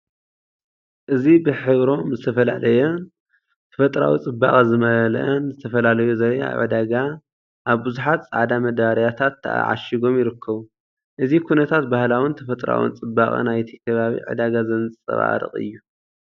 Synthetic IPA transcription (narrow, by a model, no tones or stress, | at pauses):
ʔɨzibɨħɨβɾo̞mzɨt̪ʰɐfɐla̰lɐjo | t̪ʰɐ̥fɐt̪ʼɾa̰wḭt͡sʼɨbːa̰χʼɨzɨmɐɐl̰ʔɐnzɨt̪ʰɐfɐlalɐjuzɐβa̰a̰βʕɨ̰d̪aɡa | ʔaβbɨzuħat̪t͡sʼa̰ʕd̪amɐd̪aɾijat̪ʰat̪ʰːɐʔa̰ʕa̰ʃiɡo̞mjɪɾɨkːɐβu | ʔɨzikʰunɐt̪ʰat̪̚bahlawɨnt̪ʰɐfɐt̪ʼɾa̰wɨ̰nt͡sʼɨbːaχʼɨ̰najt̪ʰi̥kʰɐβaβḭʕɨ̰d̪aɡazɐnt͡sʼɐ̰βa̰ɾɨ̰χʼɨ̰jːu